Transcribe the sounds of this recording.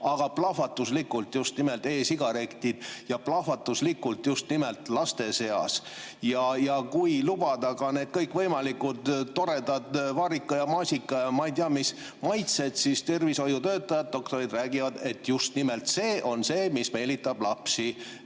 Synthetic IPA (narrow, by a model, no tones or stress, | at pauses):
ɑɡ̥ɑplɑfɑt̪ːˑuslikːult̪just̪nime̞lt̪e̞ːsiɡ̥ɑɾe̞kt̪id̪̥jɑplɑfɑt̪ːˑuslikːult̪just̪nimelt̪ˑlɑst̪e̞se̞ɑ̰s | jɑjɑkujlub̥ɑd̪ɑkɑne̞ːd̪̥̚kɤjkːˑvɤjmɑlikut̪t̪ːo̞ɾe̞d̪ɑd̪vɑːɾikːˑɑjɑmɑːsʲikːˑɑjɑmɑijd̪eɑmis | mɑjt̪se̞d̪̥sist̪e̞rviso̞jut̪øːt̪ˑːɑjɑd̪̚d̪o̞kt̪o̞ɾid̪ræːɡivɑd̪e̞t̪ːjust̪nime̞lt̪se̞ːʔo̞nse̞ːmisme̞lit̪ːˑɑb̥lɑpsi